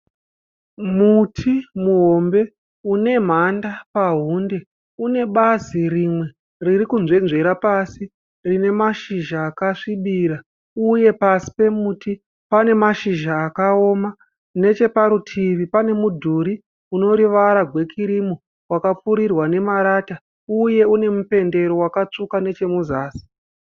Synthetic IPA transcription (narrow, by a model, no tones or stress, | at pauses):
mutʰimuɦo̞mbe̞ | une̞m̤andapaɦunde̞ | une̞ɓazirimwe̞ | riɾikunzwe̞nʐe̞ɾapasi | rine̞maʃiʒaːkaʂiɓiːɾa | uje̞pasi̥pe̞muːti | pane̞maʃiʒaːkao̞ːma | ne̞t͡ʃe̞paɾutʰiʋipane̞mudʱuɾi | uno̞ɾiʋaɾaɡʱwe̞kʰiɾimo | wakap͡fuɾirwane̞maɾaːta | uje̞une̞mupe̞nde̞ɾo̞wakat͡ʂukane̞t͡ʃe̞muzaːsi̥